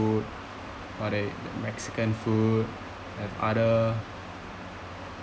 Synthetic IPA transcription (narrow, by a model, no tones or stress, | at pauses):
ut̚ | ɔdedəmɛksi̥kə̃nfut̚ | hɛva̰də